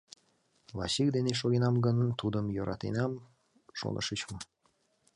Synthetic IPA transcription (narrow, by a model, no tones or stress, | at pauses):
lɑɕik̚d̪eneʃoɣenɑmɡənt̪ud̪əmjoɾʔɑ̰t̪ḛnɑm | ʃo̰nʔə̰ʃət͡ɕmə